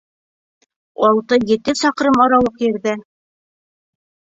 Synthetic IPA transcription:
ɒlˠt̪ɤjɘ̆t̪ɘsɒqɾɤmɑɾɑwɤqjɘ̆ɾðɘ

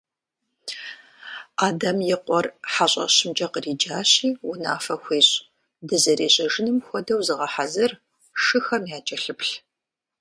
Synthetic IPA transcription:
aːdɐmjɪqʷʼɔrħaɕʼɐ̰ɕɪmd͡ʒʼɐqəriːd͡ʒaːɕiːwʊna̰ːfɐxʷeːɕʼ | dɨzɐɾiːɕʼɐʒɪnɨmxʷɔdɐwzɨʁɐħazɐr | ʂɨxɐmjaːd͡ʒʼɐɬɨpɬ

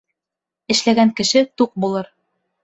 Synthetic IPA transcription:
ɘ̆ʃlæɡæŋkɘ̆ʃɘt̪uq̚bulˠɤɾ

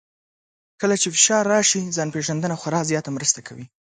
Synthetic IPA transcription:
kəlat͡ʃefɪʃɑɾːɑʃizɑnpeʒand̪ənaxwaɾɑzjɑt̪amɾəst̪akʰawi

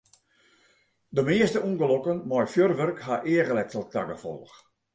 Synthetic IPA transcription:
dəmeəstəunɡəlokənmɔjfjørʋørkhaʔeəɣəlɛtəlˠta̰ɡəfɔ̰lˠx

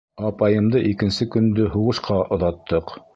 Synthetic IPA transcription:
ɑpɑjɤ̆md̪ɤʔikɘ̆nsɘkɵ̆nd̪ɵɦuʁɤ̆ʃqɑʔŏðɑt̪ːɤq

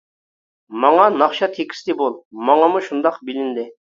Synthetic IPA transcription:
mɑŋɑnɑχʃɑt̪ʰekʲi̥st̪ɪbolˠmɑŋɑmuʃund̪ɑqbɪlɪnd̪ɪ

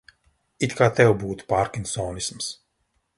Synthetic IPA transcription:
it̪kʰaːt̪ɛwbuːt̪u̥paːɾkinsɔːnisms

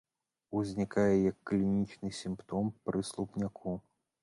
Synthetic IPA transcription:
uzʲnʲikajɛjɐkːlʲinʲit͡ʂnɨsʲimpt̪ɔmpɾɨslˠupnʲakʰu

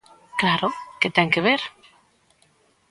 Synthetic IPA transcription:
klaɾoket̪eŋkeβ̞eɾ

